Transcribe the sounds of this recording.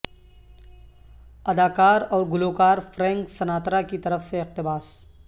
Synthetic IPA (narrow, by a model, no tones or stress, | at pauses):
ɐd̪aːkaːɾɔːɾɡʊloːkaːɾfɾɛ̃ːŋksɐnaːt̪ɾakit̪ɐɾəfseɪq̚t̪ɪbaːs